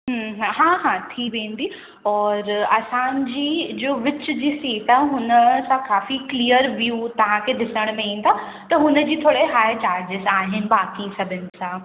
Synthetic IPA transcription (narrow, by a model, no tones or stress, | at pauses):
ɦəɦɦãːɦãt̪ʰiʋẽːnd̪iː | ɔːɾɐsãnd͡ʑiːd͡ʑoːʋɪt͡ɕʊd͡ʑiːsiːʈãɦʊnəsãkaːfiklijəɾʋjuːt̪ɐʋ̤ãkʰeːd̪ɪsəɽ̃mẽĩːnt̪ʰa | t̪ɐɦʊnə̆d͡ʑiːt̪ʰoːɽeɦaːjt͡ɕaːɾd͡ʑɪzaːɦɪnɪ̆baːkisɐbʱɪnɪ̆sãː